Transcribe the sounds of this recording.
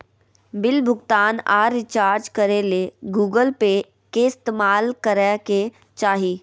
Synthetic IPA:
bɪlbʱʊɡt̪aːna̰ːɾɪt͡ʃaːɾd͡ʒkəɾeleɡuːɡəlpe | keɪst̪eːmaːlkəɾeke | t͡ʃaːɦiː

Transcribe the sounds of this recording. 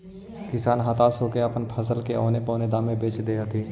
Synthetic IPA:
kɪsaːnɦat̪asoːkeəpənpʰəsəlkeɔ̰ːnepɔːned̪aːmẽbeːt͡ʃd̪eːjat̪ʰiː

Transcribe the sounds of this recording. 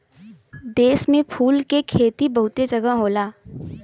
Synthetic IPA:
d̪eːsmẽpʰuːlkekʰeːt̪ibɐɦʊt̪ed͡ʒɐɡəɦoːlaː

